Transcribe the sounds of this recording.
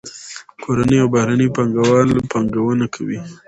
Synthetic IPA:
kʰoɾanəjawbahɾanəpaŋɡawɑlpɑŋɡawənakʰawi

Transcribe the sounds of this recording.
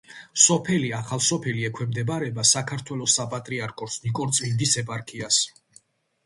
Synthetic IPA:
sɔpʰɛliaχalˠsɔpʰɛliɛkʰwɛmd̪ɛbaɾɛbasakʰaɾt̪ʰwɛlɔsapʼat̪ʼɾiaɾkʰɔsnikʼɔɾt̪sʼmind̪isɛpʼaɾkʰias

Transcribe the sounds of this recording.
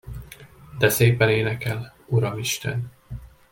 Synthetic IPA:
d̪ɛseːpɛneːnɛkɛluɾɒmiʃt̪ɛ̰n

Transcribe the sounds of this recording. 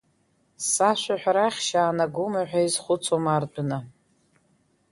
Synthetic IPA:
saʃʷaħʷᶣɾaχʲʃaːnaɡʊmaħʷᶣaizχʷʊt͡sʰomart͡pʷʼʊna

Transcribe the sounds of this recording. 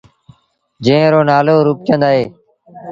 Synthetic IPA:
d͡ʒẽːɾoːnaːloːɾuːp̚t͡ʃə̃nd̪aːɦeː

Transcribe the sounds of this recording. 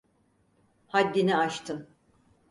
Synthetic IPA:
had̪ːinɛat͡ʃt̪ʰɯn

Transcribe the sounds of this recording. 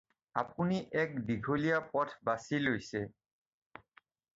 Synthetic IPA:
a̰puniʔɛk̚biɡʱolijapɔtʰbasilojsɛ

